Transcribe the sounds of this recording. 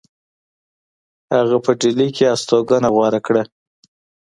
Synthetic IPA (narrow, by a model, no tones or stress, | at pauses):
haɣapəɖilikeast̪oɡanaɣwɑɾakɽa